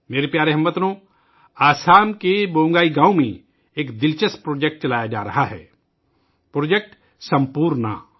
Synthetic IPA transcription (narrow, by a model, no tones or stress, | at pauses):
meːɾepjaːɾeɦɐmːət̪nõː | aːsaːmkeboːŋɡaːiɡãːũmḛ̃ | eːkd̪ɪlt͡ʃəspɾoːd͡ʒek̚ʈ̚t͡ʃɐlaːjad͡ʒa̰ːɾɐɦaɦɛ̰ː | pɾoːd͡ʒek̚ʈ | sɐ̃mpuːɾna̰